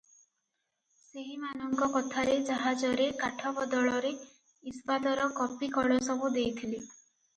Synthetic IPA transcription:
seɦimanɔŋkɔkɔt̪ʰaɾed͡ʒaɦad͡ʒɔɾekaʈʰɔbɔd̪ɔɭɔɾe | ispad̪ɔɾɔkɔpikɔɭɔsɔbud̪ejt̪ʰili

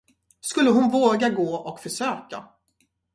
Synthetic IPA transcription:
skɵlːəɦʊnvoːɡaɡoːɔkfœʂøːka̰

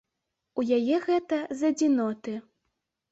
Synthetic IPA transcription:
ujajɛɣɛt̪ɐzɐd͡zʲinɔt̪ɨ

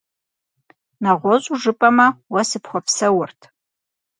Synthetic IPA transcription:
nɐʁʷɔɕʼuʒɨpʼɐmɐwɐsɨpχʷɔpsɐwʊrtʰ

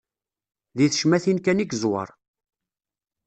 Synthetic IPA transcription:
ðiθə̥ʃmæθinkæniɡzwə̰ɾˤ

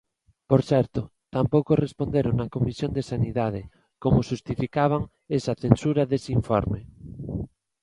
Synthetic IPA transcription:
poɾθɛɾt̪ot̪ampowkorespond̪eɾonakomisjond̪esaniðað̞e | komoʃust̪ifikaβ̞aŋ | esaθensuɾaðesiɱfo̰ɾme

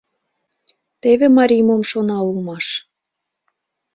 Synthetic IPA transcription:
t̪eβemɑɾʲimomʃonɑulmɑʃ

